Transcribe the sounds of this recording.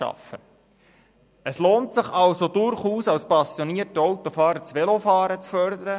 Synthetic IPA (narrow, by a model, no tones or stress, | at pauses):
ʃɑ̰fə | əsloːntsɪχɑlsod̪ʊɾχuːsɑwspɑsjoniətɔwt̪ofɑːɾət͡sʋɛlofɑːɾət͡sfœɾd̪əɾə